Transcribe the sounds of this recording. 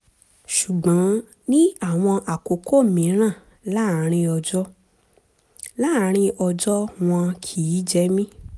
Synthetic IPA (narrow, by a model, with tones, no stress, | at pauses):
ʃu˨ɡ͡bã˨˦ | nĩ˦a˦˨w̃ɔ̃˧ʔa˨ko˨kʰo˦˨mĩ˨˦ɾ̃ã˦˨ | la˦˨ɾ̃ĩ˧ɔ˧d͡ʒɔ˦ | la˦˨ɾ̃ĩ˧ɔ˧d͡ʒɔ˦w̃ɔ̃˧kʰi˨i˨˦d͡ʒɛ˦mĩ˦